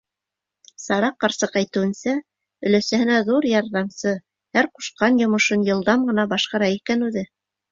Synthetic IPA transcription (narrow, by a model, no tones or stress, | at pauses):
sɑɾɑqːɑɾsɤqæjt̪ɘ̆wɘ̆nsæ | ɵ̆læsæhɘ̆næðuɾjɑɾðɑmsɤ | hæɾqu̥ʃqɑnjŏmɤ̆ʃɤnjɤ̆lˠd̪ɑmɢɤ̆nɑbɑʃqɑɾɑikænʉðɘ